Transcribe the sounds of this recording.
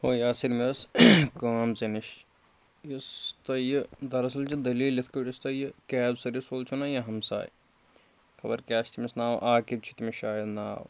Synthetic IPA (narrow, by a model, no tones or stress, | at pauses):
hoːjaːsiɾmiɐskaːmzɐniʃ | jɐst̪ɐjɨd̪ɐɾɐsɐlt͡ʃid̪ɐliːlit̪ʰkɐʈist̪ɐjkɛːbsɐɾisoːlt͡ʃʰunaːjɐɦɐmsa̰ːj | kʰɐbɐ̰ɾkʲaːʃt̪ʰimisnaːwʔaːkib̚t͡ʃʰit̪imiʃaːjɐd̪na̰ːw